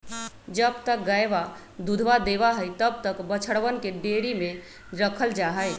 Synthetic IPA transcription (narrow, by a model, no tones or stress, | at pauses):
d͡ʒəbt̪ək̚ɡəjba | d̪ud̪ʱbad̪ebaɦəjt̪əb̚t̪əkbət͡ʃʰəɽʋənkeɖeɽimẽ | ɾəkʰəld͡ʒaɦəj